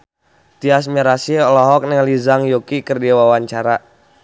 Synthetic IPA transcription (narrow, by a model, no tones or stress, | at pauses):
t̪ias̬miɾasieɔlɔɦɔk̚nɛŋlizaŋjokikərdiawawaɲt͡ʃaɾa